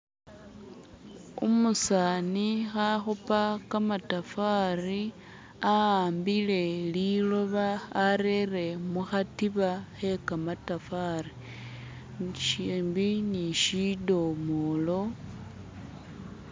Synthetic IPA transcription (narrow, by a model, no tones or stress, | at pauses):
umusanixaxupakamatafari | aaːmbile̞lilo̞βaːɾere̞muxatiβaxe̞kamatafari | ʃiːmbiniʃido̞molo̞